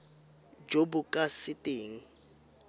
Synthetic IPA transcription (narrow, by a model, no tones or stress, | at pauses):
d͡ʒobʊkʼasɪtʼeːŋ̩